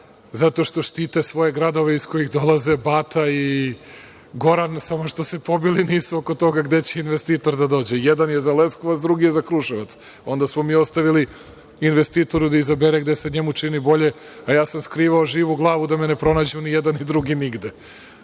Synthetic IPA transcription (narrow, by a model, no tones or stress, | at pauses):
zat̪o̞ʃt̪o̞ʃt̪iːt̪esʋo̞je̞ɡɾad̪o̞ʋeisko̞jixd̪o̞lˠaze̞baːt̪ʰai | ɡo̞ɾansamo̞ʃt̪o̞se̞po̞biliniːsuoko̞t̪o̞ɡaɡd̪e̞t͡ɕeinʋest̪iːt̪o̞ɾd̪ad̪o̞ːd͡ʑejɛd̪anjezaleskoʋat̪sd̪ɾuɡijezakɾuʃeʋat̪s | o̞nd̪asmomiːo̞st̪aʋili | inʋest̪iːt̪o̞ɾud̪aizabeɾeɡd̪ese̞ɲemut͡ʂinibo̞ʎe̞ | ajaːsamskɾiːʋaoʒiːʋuɡlˠaːʋud̪amene̞pɾo̞naːd͡ʑunijed̪anid̪ɾuɡiniɡd̪e